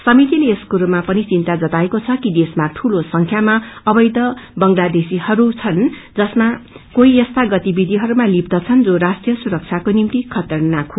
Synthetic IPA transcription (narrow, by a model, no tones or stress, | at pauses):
sʌmit̪ileːskuɾumapʌnit͡sint̪ad͡zʌt̪aekot͡sʰʌkid̪esmaʈʰulosʌŋkʰjamaʌbʌjt̪ʌbʌŋlad̪esihʌɾut͡sʰʌnd͡zʌsma | koiʌst̪ʰaɡʌt̪ibid̪ʱiɦʌɾumalib̚d̪ʌt͡sʰʌnd͡zoɾasʈrijʌsuɾʌk̚t͡sʰakonimt̪ikʰʌt̪ʌrnakʰo